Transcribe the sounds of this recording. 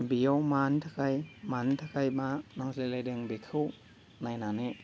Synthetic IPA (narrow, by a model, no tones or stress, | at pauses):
bijɔwmantʰakʰajmantʰakʰajmanaŋslelajdeŋbikʰɯw | najnane